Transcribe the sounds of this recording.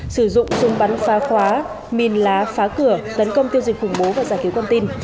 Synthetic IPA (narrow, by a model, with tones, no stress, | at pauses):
sɨ˧˩zʊ̰˧˨ŋ͡mzʊ˨˧ŋ͡mɓa˨˦nfaː˨˦xwaː˨˦ | mi˨˩ənlaː˨˦faː˨˦kɨ˧˩ət̪ə˨˦nkə˧wŋ͡mt̪i˧əwzi˨˩k̟̚xʊ˧˩ŋ͡mɓo˨˦vaː˨˩zaː˧˩ki˨˦wka˧nt̪i˧n